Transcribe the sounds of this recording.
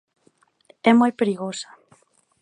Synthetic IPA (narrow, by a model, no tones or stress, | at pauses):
ɛmojpeɾiɣosḁ